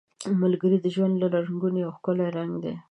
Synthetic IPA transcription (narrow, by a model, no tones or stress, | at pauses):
malɡəɾid̪əʒwand̪lalaɾuŋɡuniawxkoleɾaŋɡd̪e